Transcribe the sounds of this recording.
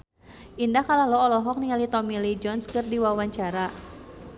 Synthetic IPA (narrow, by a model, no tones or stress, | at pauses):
ʔindahkalahlɔɔlɔɦɔk̚niŋalit̪ɔmilid͡ʒɔnskɨrdiwawaɲt͡ʃaɾa